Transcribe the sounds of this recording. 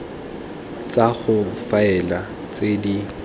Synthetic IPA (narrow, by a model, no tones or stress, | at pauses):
t͡sʼaɣʊfaɛla | t͡sʼedi